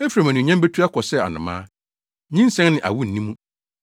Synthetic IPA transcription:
e˦fi˨ɾa˨mæ̃˨nũ˨ɲɛ̃˦m˦be˦tʰu˦a˦kʰɔ˨sɛ˦˨a̰˨nʊ̰̃˨mã̰ː˦ | ɲĩ˦n˦sɛ̃˦n˦nɪ̃˨ʔa̰˨wu˦n̩˨nĩ˦mũ˦

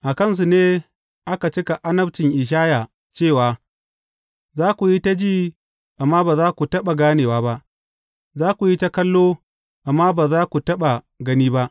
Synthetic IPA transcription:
ʔa˨kɐ˦ns̬u˨neː˦ | ʔa˦ka˨t͡ʃɪ˦ka˨ʔa˦nɐ˦bt͡ʃɪ˨ŋʔɪ˨ʃ̬aː˦ja˨ | t͡ʃeː˦˨waː˨ | zaː˦kʷu˨ji˦ta˦d͡ʒiː˦˨ | ʔa˨mːaː˦baː˨zaː˦kʷu˨tɐ˦ɓa˨ɡaː˦neː˨waː˦ba˦ʔ | zaː˦kʷu˨ji˦ta˦kɐ˦lːoː˦ | ʔa˨mːaː˦baː˨zaː˦kʷu˨tɐ˦ɓa˨ | ɡɐ˦niː˦ba˦ʔ

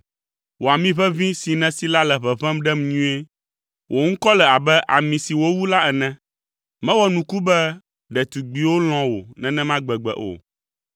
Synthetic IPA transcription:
wo˨a˨mĩ˦βɛ˦vĩ˦si˨nɛ̃˨si˦la˦lɛ˨βɛ˨vɛ̃˦mɖɛ˦m˨ɲũ˦e˦ | wʔo˨ŋ̩˦kɔ˦lɛ˨a˨bɛ˦ʔa̰˨mĩ˨si˨wo˦wu˦la˦ɛ˨nɛ̃˦ | mɛ̃˦wɔ˦nũ˨ku˦bɛ˦ | ɖɛ˨t̪u˨ɡ͡bi˨wo˦l̃ɔ̃˦wo̰˨nɛ̃˨nɛ̃˦mã˦ɡ͡bɛ˨ɡ͡bɛ̰˨ʔo̰˨

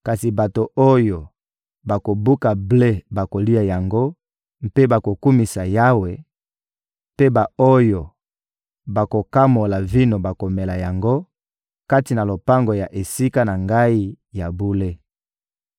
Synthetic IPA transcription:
ka˨si˨ba˨to˨o˦jo˨ | ba˨ko˨bu˦ka˨ble˦ba˨ko˨li˦a˨ja˨ŋɡo˦ | mpe˦ba˨ko˨ku˦mi˨sa˨ja˦we˨ | pe˦ba˨o˦jo˨ | ba˨ko˨ka˦mo˨la˨vi˦no˨ba˨ko˨me˨la˨ja˨ŋɡo˦ | ka˦ti˨na˨lo˨pa˦ŋɡo˨ja˨ʔe˨si˦ka˦na˨ŋɡa˦i˦ | ja˨bu˦le˦

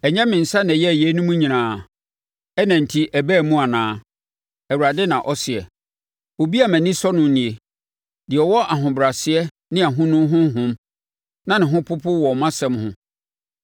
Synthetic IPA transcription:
ɛ˨ɲɛ̃˦mɪ̃˨n̩˨sa˦n˨jɛ˦˨jɛ˦nũ˦mũ˦ɲĩ˨nãː˨ | ɛ˦næ̃˨n̩˨tʰi˦ʔæ˨bæ˦˨mũ˦a˨nãː˨˦ | ɛ˨wu˨ɾa˨dɪ˦nã˨ʔɔ˦sɪ˨ɛ˨ | o˨bi˦a˨mæ̃˨nĩ˦sɔ˦nʊ̃˦nĩ˨e˨ | dɪ˨ɔ˨wɔ˦ʔa˨ɦʊ̃˨bɾa˨sɪ˦ɛ˦ | nɪ̃˦a˨ɦʊ̃˦nʊ̃˦ɦʊ̃˦ɦʊ̃˦m | nã˦nɪ̃˨ɦʊ̃˦pʰʊ˦pʰʊ˦wɔ˨mã˦sɛ̃˦mhʊ̰̃˦

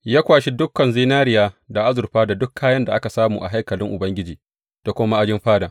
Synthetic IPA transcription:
jaː˦kʷaː˨ʃi˦dʊ˦kːɐ˨nziː˦naː˦ɾɪ˦jaː˦da˨ʔa˦zʊ˨ɾɸaː˦da˨dʊ˦kʰːaː˦jɐ˦nda˨ʔa˦ka˨saː˦mṵː˨ʔa̰˨ɦa˦jkɐ˨lɪ˦ŋʔʊ˨bɐ˦ŋɡʲɪ˦d͡ʒiː˨ | d̥a˨kʷʊ˦ma˦ʔa˦d͡ʒɪ˦mɸaː˦da˨

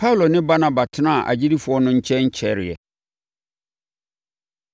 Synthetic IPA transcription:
pʰa˦u˨lo˨nɪ̃˦ba˦na˦ba˨tʰɪ˦nã˦˨ʔa̰˨d͡ʑi˦di˦fʊ˨˦ɔ˦nʊ̃˦ɲ̩˦t͡ɕʰɛ̃˦ɲ̩˦t͡ɕʰɛ˦ɾɪ˨ɛ̰˨

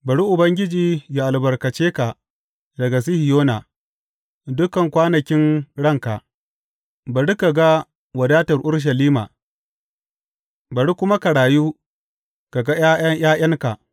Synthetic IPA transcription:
bɐ˨ɽi˦ʔʊ˨bɐ˦ŋɡʲɪ˦d͡ʒiː˨ja˨ʔa˨lbɐ˨rkɐ˨t͡ʃeː˦ka˨ | dɐ˨ɡa˨s̬i˦hi˨joː˦na˨ | dʊ˦kɐ˨ŋkʷaː˦nɐ˨kʲɪ˦nɽɐ˦ŋka˨ʔ | bɐ˨ɽi˦ka˨ɡa˦ | wɐ˨daː˦tɐ˨rʔʊ˦rʃ̬ɐ˨liː˦ma̰ː˨ | bɐ˨ɽi˦kʷʊ˦ma˦ka˨ɽaː˨juː˦ | ka˨ɡa˦ja˦ʔɐ˦jaː˦ʔj̰ɐ˦ŋka˨ʔ

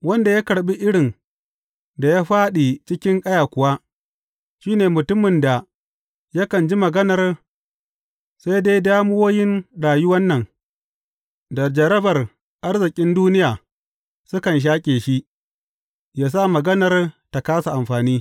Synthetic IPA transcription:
wɐ˦nda˨ja˦kɐ˨ɽɓi˦ʔɪ˦ɽɪ˨n | da˨jaː˦ɸaː˦ɗi˨t͡ʃɪ˦kʲɪ˦ŋkʼɐ˦jaː˨kʷʊ˨wa˦ | ʃiː˦neː˨mʊ˨tʊ˦mɪ˨nda˨ | ja˦kɐ˨nd͡ʒi˦mɐ˨ɡɐ˦nɐ˨r | sa˦jde˦jdaː˦mʊ˦woː˦jɪ˦nɽaː˨jʊ˦wɐ˦nːɐ˨n | dɐ˨d͡ʒɐ˨ɾɐ˦bɐ˨r | ʔa˦rzɪ˨kʲʼɪ˦nduː˦nɪ˦jaː˨ | sʊ˦kɐ˨nʃ̬aː˦kʲʼeː˨ʃi˦ | jaː˦s̬a˦mɐ˨ɡɐ˦nɐ˨rta˨kaː˦sa˨ʔa˨mɸaː˨niː˦

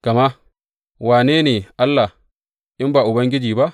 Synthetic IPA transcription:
ka˨ma˦ | waː˨neː˦neː˨ʔa˦lːa˨ | ʔɪ˦mbaː˨ʔʊ˨bɐ˦ŋɡʲɪ˦d͡ʒiː˨ba˦ʔ

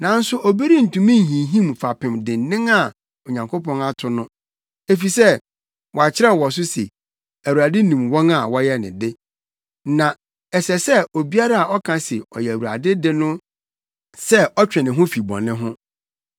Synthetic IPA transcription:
nã˨n̩˦sʊ˦ʔɔ˨bi˦ɾi˦n̩˨tũ˨mĩ˦n̩˨ɦĩ˨ɦĩ˦mfa˨pʰɪ̃˨mdɪ̃˨n̩˦nɪ̃˦ŋa˦˨ | o˨ɲã˨ŋkʰo˦pɔ̃˦na˦tʰʊ˨nʊ̃˦ | e˦fi˨sɛ˦˨ | wɔ˨a˨t͡ɕʰɪ˦ɾɛ˦˨wɔ˨s̬ʊ˦sḛ˨ | æ˨wu˨ɾa˨dɪ˦nĩ˨mwɔ̃˦na˨wɔ˦jɛ˦nɪ̰̃˨dɪ˦ | nã˨ | ɛ˨sɛ˨sɛ˦o˨bi˦a˦ɾa˦a˨ɔ˦kʰã˨˦se˨ɔ̰˨jɛ˨æ˨wu˨ɾa̰˨dɪ˦dɪ˦nʊ̃˦ | sɛ˦ɔ˦t͡ɕᶣɛ˨nɪ̃˨ɦʊ̃˦fi˨bɔ̰̃˨nɪ̃˦ɦʊ̃˦

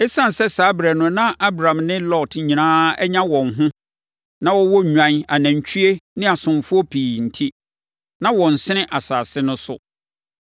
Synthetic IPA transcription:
ɛ˦sã˦˨n˨sɛ˦sa˨˦bɾɛ˨nʊ̃˦nã˦ʔa˦bɾã˨mnɪ̃˦lɔ˦˨tɲĩ˨nãː˦ɛ̰˦ɲã˦wɔ̃˨ŋɦʊ̃˦ | nã˦wɔ˦wɔ˦˨ɲᶣã˨˦na˨næ̃˨ɲ˨t͡ɕᶣʰy˦e˦nɪ̃˦a˨sʊ̃˨mfʊ˦ɔ˦pʰiː˨n̩˨tʰi˦ | nã˦wɔ̃˨n̩˨sɪ̃˦nɪ̃˦ʔa˨saː˨sɪ˦nʊ̃˦sʊ̰˦

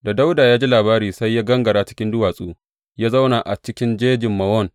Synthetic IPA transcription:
da˨da˦wdaː˨jaː˦d͡ʒi˦laː˨baː˦ɾiː˨sa˦jːaː˦ɡɐ˦ŋɡɐ˨ɾaː˦t͡ʃɪ̥˦kʲɪ˦ndʊ˦waː˨sʼuː˦ | jaː˦za˦wna˨ʔa˨t͡ʃɪ˦kʲɪ˦nd͡ʒeː˦d͡ʒɪ˨mːɐ˨wɔ˦n

